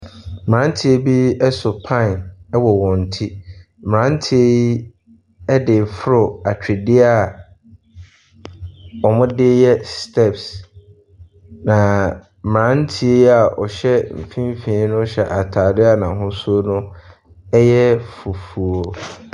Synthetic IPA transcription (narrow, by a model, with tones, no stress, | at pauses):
m˨ã˨˦n̩˦tʰi˦e˦bi˦ɛ˦sʊ˨pʰã˦˨nɛ˦wɔ˨wɔ̃˨n̩˨tʰi˦ | m˨ɾã˨˦n̩˦tʰi˦e˦i˦ | ɛ˦dɪ˨fʊ˦ɾʊ˨a˨t͡ɕᶣɪ˨dɪ˦a˦˨ | ɔ˨mʊ̃˦dɪ˦jɛ˦stʰɛ˦˨ps | nã˨ | m˨ɾã˨˦n̩˦tʰi˦e˦i˦a˨ʔɔ˨ɕɛ˦m̩˨fĩ˦m˦fĩ˨˦nʊ̃˦ɕɛ˨ʔa˨tʰaː˨dɪ˦a˦˨nã˨ɦʊ̃˦su˦o˦nʊ̃˦ | ɛ˦jɛ˦fu˨fu˨o˨